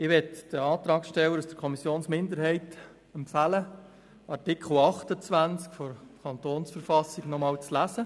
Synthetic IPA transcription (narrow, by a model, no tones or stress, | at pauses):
ɪʋɛt̪d̥əɑːt̪ɾɑːksʃtɛwəɾusd̥əɾkʰɔmisjoːnsmɪndəɾhɛɪt | əmfælə | ɑrtɪkʰχl̩ɑχtət͡sʋænt͡skfɔɾkʰɑnt̪oːnsfəɾfɑsɪɡnɔmɑːlt͡slæsə